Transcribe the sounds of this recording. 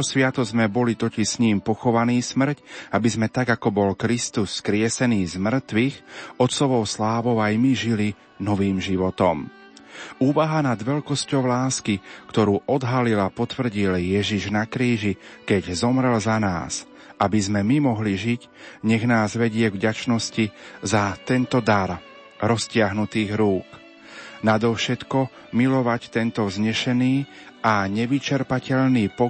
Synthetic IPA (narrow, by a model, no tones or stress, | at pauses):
ɔsʋɪat̪ɔzmɛbɔlit̪ɔciʃsɲiːmpɔxɔʋaniːsmr̩cabizmɛt̪aɡakɔbɔlkɾist̪usːkɾɪɛsɛniːzmr̩t̪ʋixɔt̪sɔʋɔʊslaːʋɔʊajmiʒili | nɔʋiːmʒiʋɔt̪ɔm | uːʋaɦanad̪ʋɛlkɔscɔʊlaːskikt̪ɔɾuːʔɔd̪ɦalilapɔt̪ʋr̩ɟiljɛʒiʒnakɾiːʒikɛɟzɔmɾɛlzana̰ːs | ʔabizmɛmimɔɦliʒic | ɲɛɣnaːzʋɛɟɪɛɡvɟat͡ʃnɔscizat̪ɛnt̪ɔd̪aɾ | ɾɔscɪaɦnut̪iːɣɾuːk | nad̪ɔfʃɛt̪kɔ | milɔʋact̪ɛnt̪ɔwzɲɛʃɛniː | ʔaɲɛʋit͡ʃɛɾpacɛʎniːpɔ